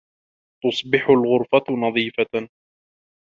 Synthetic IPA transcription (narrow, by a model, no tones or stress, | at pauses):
t̪ʊsˤbɪħʊlɣʊɾfanɑðˤiːfa